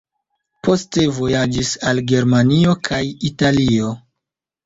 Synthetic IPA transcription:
pʰo̞ste̞vo̞jad͡ʒisalɡe̞ɾmanio̞kʰajitalio̞

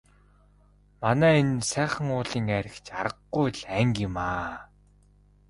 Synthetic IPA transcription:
manæːensæːχə̆ŋʊːɮiːŋæɾʲɪ̆xt͡ɕaɾə̆qːujɮæŋɡɪmaː

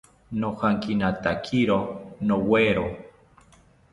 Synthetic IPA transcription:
nohaŋkinat̪akʰiɾonoweɾo

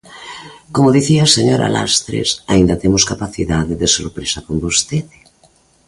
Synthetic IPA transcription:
komoðiθiaseɲoɾa̰la̰st̪ɾḛsa̰ind̪ɐt̪emʊskapaθiðaðɪðeso̰ɾpɾesɐkombost̪eðɪ̥

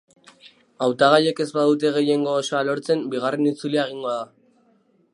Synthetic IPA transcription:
awt̪aɣaʎe̞ke̞zbaðut̪̬e̞ɣ̞e̞je̞ŋɡo̞ːso̞alo̞ɾt͡se̞mbiɣ̞are̞nit͡suliaeɣ̞iŋɡo̞aða

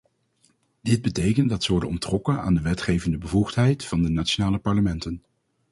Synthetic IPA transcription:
d̥ɪd̚bətejkəndɑtsəʋɔɹdənɔ̰mtrɔkəna̰ːndəʋɛtχejvəndəbəvuχtɦɛjtfɑndənaːt͡ʃonaːləpɑɹləmɛntən

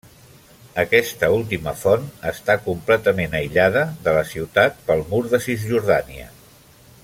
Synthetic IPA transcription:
əkɛst̪əulˠt̪iməfɔnəst̪akumplɛt̪əmenəjʎað̞əðələsiwt̪at̪̚pəlˠmuɾðəsizʒuɾðaniə̰

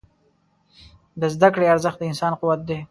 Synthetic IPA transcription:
d̪əzd̪akɽeaɾzəxt̪̚d̪əɪnsɑnquwat̪̚d̪e

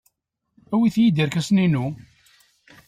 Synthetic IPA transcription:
æwiθjid̪iɾkæsninu

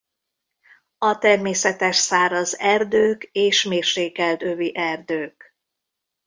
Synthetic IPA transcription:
ɒt̪ɛrmeːsɛt̪ɛʃsaːɾɒzɛrd̪øːkeːʃmeːrʃeːkɛlt̪øviʔɛrd̪øːk

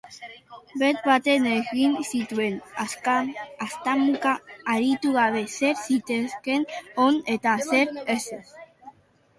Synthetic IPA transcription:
bet̪̚bat̪eneɣinsit̪wenaskanast̪amukaːɾit̪uɣaβeseɾsit̪eskenonet̪aseɾeses

